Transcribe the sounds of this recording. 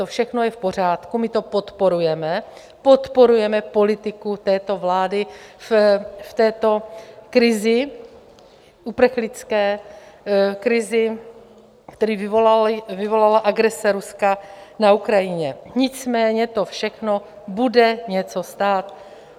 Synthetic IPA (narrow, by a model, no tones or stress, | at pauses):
t̪ofʃɛxno̞jɛfpo̞r̝aːt̪kumɪt̪o̞po̞t̪po̞ɾujɛmɛ | po̞t̪po̞ɾujɛmɛpo̞lɪt̪ɪkut̪ɛːt̪o̞vlaːdɪfft̪ɛːt̪o̞kɾɪzɪ | ʔupɾ̩xlɪt͡skɛː | kɾɪzɪ | kt̪ɛɾiːvɪvolalvɪvo̞lalaʔaɡɾɛsɛɾuskanaukɾajɪɲɛɲɪt͡smɛːɲɛt̪o̞fʃɛxno̞ | budɛɲɛt͡so̞st̪aːt̪